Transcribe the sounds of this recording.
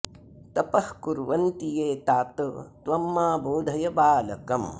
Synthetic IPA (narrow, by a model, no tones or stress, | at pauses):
t̪ɐpɐhkuɾʋɐnt̪ijeːt̪aːt̪t̪ʋɐmːaːbuːd̪ʱɐjɐbaːlɐkɐm